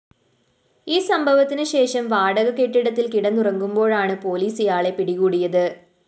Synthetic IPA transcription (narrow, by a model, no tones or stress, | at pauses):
iːsɐmbʱɐʋɐt̪ːinɨɕe̞ːʂɐmʋaːɽɐɣɐke̞ʈːiɽɐt̪ːilkiɽɐnurɐŋɡumbo̞ːɻaːɳɨpo̞ːliːsijaːɭe̞piɽiɣuːɽijɐðɨ